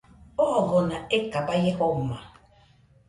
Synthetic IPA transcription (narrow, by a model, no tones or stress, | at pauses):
ɔɔɣɔnaekabajehɔma